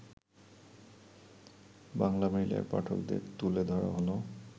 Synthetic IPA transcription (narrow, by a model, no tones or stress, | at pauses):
baŋlameɹila̰ɹpa̰ʈʰɔld̪ḛt̪uled̪ʱɔɹa̰ɦɔno